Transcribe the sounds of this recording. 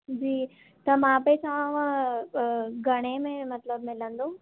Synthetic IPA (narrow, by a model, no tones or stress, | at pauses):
d͡ʑiː | t̪ɐmãpɛsãʋã | ɡʱɐɽ̃emẽmɐt̪ləbmɪlə̃nd̪õː